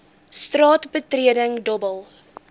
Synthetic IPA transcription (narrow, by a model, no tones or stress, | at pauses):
strɑːtbətriədəŋdɔbəlˠ